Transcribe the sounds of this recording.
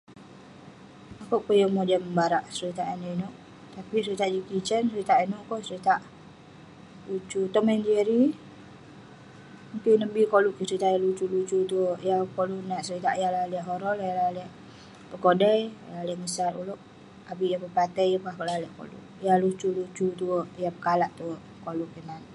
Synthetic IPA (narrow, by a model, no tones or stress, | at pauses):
akoʔpəjəmod͡ʒaməmbaɾaʔsəɾit̪aʔanoʔinoʔ | t̪apisəɾit̪aʔd͡ʒikit͡ʃənsəɾit̪aʔinuʔkosəɾit̪aʔ | ut͡ʃut̪ɔʔmɛnd͡ʒeɾi | mukinəbikoluʔkəsəɾit̪aʔjalut͡ʃulut͡ʃut̪uəʔjakoluʔnaʔsəɾit̪aʔjalaliəʔɦoɾɔljalaləʔ | pəkodɛjlalɛʔŋəsatṵloʔ | abijapəpat̪əjəpahkəlalɛʔko̰lṵʔjalut͡ʃulut͡ʃut̪uəʔjapəkalaʔt̪uəʔkoluʔkənan